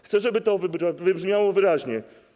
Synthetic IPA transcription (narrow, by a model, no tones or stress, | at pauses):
xt̪sɛʐɛbɘt̪ɔvbavɘbʐmʲjawɔvɘɾaʑɲɛ